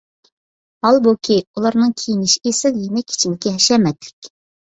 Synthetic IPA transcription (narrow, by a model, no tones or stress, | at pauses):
hɑlˠbokʲʰiulˠɑɾnɨŋkʲʰijinɪʃesɪljinɛkʲʰi̥t͡ʃʰind̪ɪkʲɛɦɛʃɛmɛt̪lɪ̥kʲ